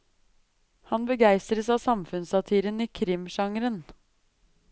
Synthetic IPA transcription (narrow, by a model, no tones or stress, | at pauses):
hɑnbəɡæɪst̪ɾəsɑːsɑmfʉnsɑt̪ʰiːɾəniːkʰɾɪmʃɑŋɾən